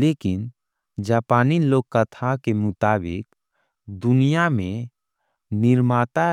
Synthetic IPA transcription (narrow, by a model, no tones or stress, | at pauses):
leːkɪn | d͡ʒaːpaːniloːɡ̚kːət̪ʰakemʊt̪aːbɪk̚ | d̪ʊnijamẽ | nɪɾmaːt̪a